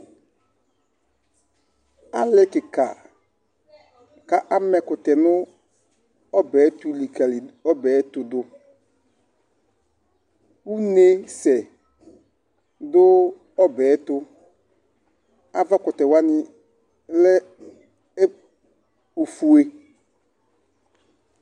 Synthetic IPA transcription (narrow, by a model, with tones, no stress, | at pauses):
a˦lɛ˦kɪ˨ka˨ | ka˨ʔa˦mɛ˨kʊ˨tɛ˨nʊ˦ | ɔ˦bɛː˨˦tu˦li˨ka˨li˨ɔ˦bɛː˨˦tʊ˨dʊ˦ | u˦ne˦sɛ˨ | dʊ˦ | ɔ˦bɛː˨˦tʊ˦ | a˦va˦kʊ˨tɛ˨wa˦nɪ˦ | lɛ˦ | o˨fu˨e˦